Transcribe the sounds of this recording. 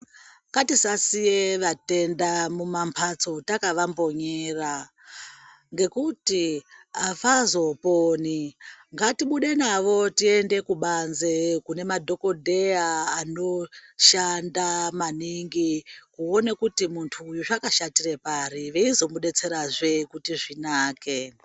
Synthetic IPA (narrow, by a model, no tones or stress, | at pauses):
katisasijeʋate̞ndamumampʰat͡so̞takaʋambo̞ɲeːra | ŋɡe̞kutiafazo̞poːniŋɡatiɓuɗe̞naʋo̞tie̞nde̞kuɓanzekune̞madʱo̞ko̞dʱe̞aːno̞ʃandamaniŋɡikuonekutimuntʰuːjuʐakaʃatire̞paɾiʋe̞izo̞muɗe̞t͡se̞ɾaʐe̞kutiʐinaːke